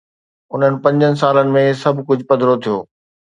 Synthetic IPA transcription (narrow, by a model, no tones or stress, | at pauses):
ʊn̤ənɪ̆pɐ̃ɲd͡ʑənɪ̆saːlənɪ̆mẽsɐbʱkʊd͡ʑʱʊpɐd̪ɾot̪ʰijoː